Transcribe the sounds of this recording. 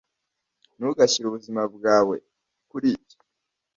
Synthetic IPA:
nuɡaciɾuβuzimab̚ɡaːwe̞ | kuɾiːbi̥

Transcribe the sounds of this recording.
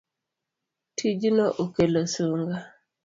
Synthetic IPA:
tʰid͡ʒinoʔokelosuŋɡa

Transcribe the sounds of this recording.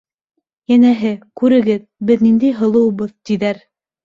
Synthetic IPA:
jænæɦɘkʉɾɘ̆ɡɘð | bɘðnind̪æjɦɤ̆lˠɤ̆wβɤðt̪iðæɾ

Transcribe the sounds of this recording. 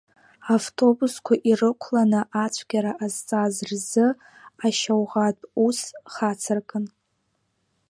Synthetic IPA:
avtʰo̞buskʷʰaʔirɨkʷʰlanɨʔat͡ʃʷʰɡʲaɾaʔazt͡sʼazrzɨ | aʃawʁatʼusχat͡sʰɨrkʼɨn

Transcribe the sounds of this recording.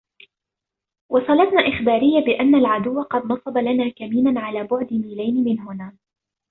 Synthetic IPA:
wɑsˤɑlɑt̪naːʔɪxbaːɾɪjːabɪʔanːalʕad̪ʊwːaqɑd̪nɑsˤɑbɑlanaːkamiːnanʕalaːbʊʕd̪ɪmiːlajnɪmɪnɦʊnaː

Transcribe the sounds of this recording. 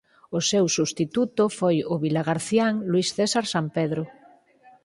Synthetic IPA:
ʊsewsust̪it̪ut̪ofojʊβilaɣaɾθjaŋlwisθesaɾsampeðɾʊ

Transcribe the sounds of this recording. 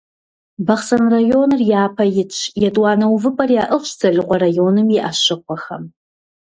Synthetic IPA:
bɐχsɐnrajoːnɨrjaːpʰɐjɪt͡ʃʷʰjɛtʼwɑːnɐwvɨpʼɐrjaːʔəχʷɕzɐɮɨqʷɐrajoːnɨmjɛʔaʃɪqʷɔxɐ̰m

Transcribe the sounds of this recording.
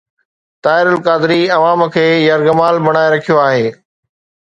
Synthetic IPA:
t̪aːɪɾʊlkaːd̪ɪɾiɐʋaːmkʰeːjɐɾɡɐmaːlbɐɽ̃aːeɾɐkʰijoaːɦeː

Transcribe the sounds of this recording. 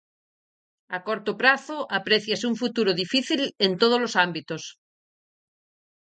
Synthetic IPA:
akoɾt̪opɾaθoʔapɾeθjasuɱfut̪uɾoðifiθilent̪oð̞ozlosambit̪os

